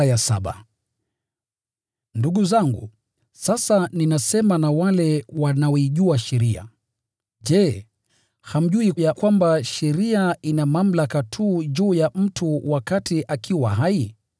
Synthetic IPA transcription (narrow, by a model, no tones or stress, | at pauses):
jasaɓa̰ | nduɠuzaŋɡṵ | sasaninasɛmanawalɛwanaɔiʄuaʃɛɾia̰ | ʄɛ | ham̩ʄuijakwambaʃɛɾiainamam̩lakatʰuːʄuːjam̩tʰuwakatiʔakʰiwa̰ɦai